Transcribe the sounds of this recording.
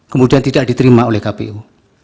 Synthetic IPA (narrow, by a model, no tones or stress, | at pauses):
kəmudiant̪idaʔ̚dit̪əɾimaolɛhkapḛʔu